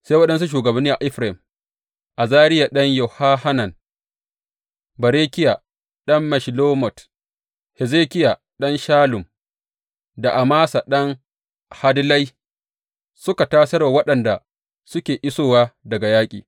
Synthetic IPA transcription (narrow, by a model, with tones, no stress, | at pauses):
sa˦wɐ˦ɗɐ˦ns̬u˦ʃ̬uː˨ɡɐ˨bɐ˦nːiː˦ʔa˨ʔɪ˦ɸɾa˨ɪ˨m | ʔa˨zaː˦ɾɪ˦ja˨ɗɐ˦ɲjo˨haː˦ha˦na˨n | bɐ˨ɾeː˦kʲɪ˦ja˨ | ɗɐ˦mːɐ˨ʃi˨loː˦mɔ˨t | hɛ˨zeː˦kʲɪ˦ja˨ | ɗɐ˦nʃaː˦lʊ˨m | da˨ʔa˨maː˦sa˨ɗɐ˦ŋ | ha˦dlɐ˦j | sʊ˦ka˨taː˦sɐ˦ɾwa˨wɐ˦ɗɐ˨nda˨ | sʊ˦kʲeː˨ʔɪ˦soː˦˨waː˦dɐ˨ɡa˨jaː˦kʲʼḭː˨